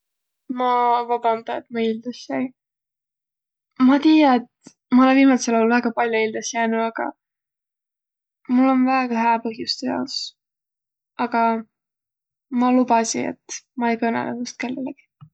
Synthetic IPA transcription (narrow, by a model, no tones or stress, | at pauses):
mɑvɑb̥ɑnd̪ɑet̪mɑild̪̥ɑsɑj | mɑt̪iːjɑet̪ | mɑoleviːmɑselolvæɡ̥ɑpɑlʲjoild̪̥ɑsjæːnuɑɡ̥ɑ̰ | mulːo̞nvæeɡ̥ɑɦæːpɤɦjust̪ejɑ̰s | ʔɑɡ̥ɑ | mɑlubɑsḭḛt̪mɑejkɤnḛlḛust̪̚ke̞lːeleɡ̥i̥